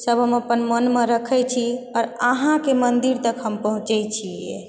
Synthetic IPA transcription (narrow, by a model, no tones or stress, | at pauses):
səbʱɦəməpənmənmeɾəkʰəjt͡ʃʰiɔːɾaɦãkemənd̪iɾt̪əkʰɦəmpəɦũt͡ʃɛt͡ʃʰie